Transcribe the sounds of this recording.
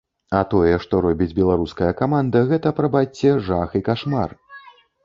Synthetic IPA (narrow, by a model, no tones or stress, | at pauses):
ɐt̪ɔjɛʂt̪ɔɾɔbʲid͡zʲbʲɛlˠaɾuskɐjɐkamand̪ɐɣɛt̪ɐpɾɐbat͡sʲːɛʐaxikaʂma̰r